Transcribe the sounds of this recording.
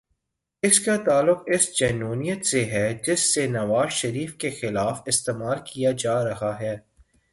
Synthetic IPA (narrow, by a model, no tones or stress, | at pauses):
ɪskat̪aːlːʊqɪsd͡ʒɛːnuːnijət̪seɦɛd͡ʒɪsːenɐʋaːzʃɐɾiːfkexɪlaːfɪst̪eːmaːlkijad͡ʒaːɾɐɦaɦɛː